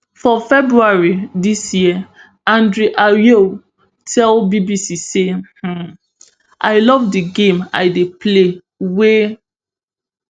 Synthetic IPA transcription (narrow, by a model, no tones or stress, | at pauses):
fɔfɛbɹuaɹidisji | ãndɹiʔaɹjo | tʰɛlbibisiseh̩ | ʔaɪlɔvdiɡẽma̰ɪdeple | we